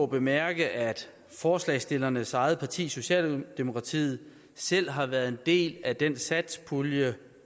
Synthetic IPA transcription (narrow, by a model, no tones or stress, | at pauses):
ɔb̥e̝mæɐɡ̥əʔæd̥ | fɒːslɛɪsd̥e̝lɐnəsɑ̈ɪð̞̩ˠpʰɑ̈t͡sʰḭːso̝ɕɛ̰ːld̥e̝mo̝kʰʁɑ̈t͡sʰḭːð̞̩ˠ | sel̰ɦɑ̈ʋæːɐð̩ˠe̝nd̥e̝̰ːlæd̥ensæd̥spʰuljə